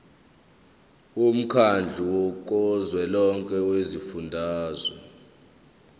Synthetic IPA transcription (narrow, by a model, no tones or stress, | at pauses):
um̩kʰand͡ɮʱuwɔkʼɔzwɛlɔŋkʼɛwezifundʱaːzwɔ̰